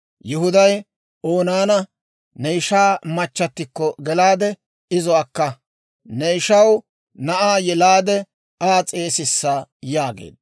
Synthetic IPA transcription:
jɪhʊd̪ɐj | oːnaːnɐ | nejʃaːmɐt͡ʃːɐt̪ːɪkːɔɡɛlaːd̪ɛ | ɪzɔwakːɐ | nɛjʃɐw | nɐʔaːjɛlaːd̪ɛ | aːt͡sʼe̞ːsɪsːaːjaːɡḛːd̪̚

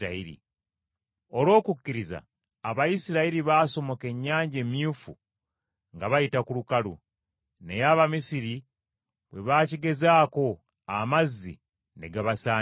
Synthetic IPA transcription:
aiɾḭ | o̞lwo̞ːkukːiɾiza̰ː | βajisiɾaiɾiβaːso̞mo̞ke̞ɲːaːɲɟe̞mjuːfu | ŋɡaβajitakulukalu | ne̞jaːβamisiɾi | βwe̞βaːciɡe̞zaːko̞ | amazːḭ | ne̞ɡaβasaː

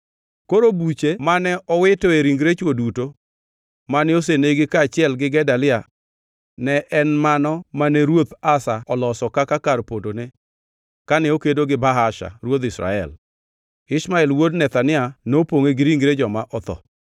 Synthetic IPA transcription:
koɾobut͡ʃemanɛʔɔwɪtɔeɾiŋɡɾet͡ʃwoduto | manɛos̬eneɡɪkaːt͡ʃɪɛlɡɪɡɛdalɪa | nɛʔɛnmanɔmanɛɾwot̪asaɔlɔsɔkakakarpodone | kanɛokedoɡɪbaɦaʃa̰ɾwot̪ɪsɾa̰ɛ̰l | ɪʃmaɛlwodnɛt̪anɪanopoŋeɡɪɾiŋɡɾed͡ʒɔmaʔɔt̪ɔ̰

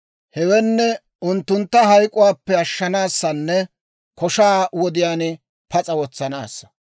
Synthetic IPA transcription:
hɛwɛnːɛ | ʊnt̪ːʊnt̪ːɐɦɐjkʼːʊwaːpːɛɐʃːɐnaːsːɐnːɛ | kɔʃaːwɔd̪ɪjaːnɪ | pɐt͡sʼɐwɔt͡sːɐna̰ːsːɐ̥

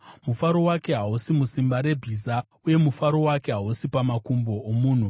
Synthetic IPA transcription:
mufaɾo̞wake̞ɦausimusimbaɾe̞bʱiza | uje̞mufaɾo̞wake̞ɦausipamakumbo̞ːmuːn̤u

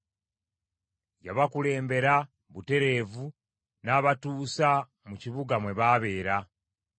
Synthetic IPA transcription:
jaβakule̞ːmbe̞ɾa | βute̞ɾe̞ːvu | naːβatuːsa | muciβuɡamwe̞βaːβe̞ːɾa

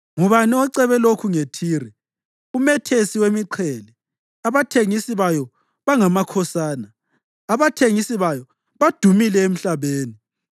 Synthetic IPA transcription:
ŋuβanɛɔǀɛβɛlokʰuŋetʰiːrɛ | umɛtʰesiwemiǃʰɛlɛ | aβatʰeŋisiβajɔ | βaŋamakʰɔsaːnaː | βatʰeŋisiβajɔ | βad̥ʱumilɛem̩ɬaβeːni

